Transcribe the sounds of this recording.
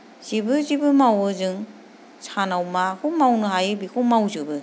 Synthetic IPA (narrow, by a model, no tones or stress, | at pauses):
z̥ibɯzibɯmawɯzɯŋ | sʰanawmakʰɯmawnɯɦajɯbikʰowmawzɯbɯ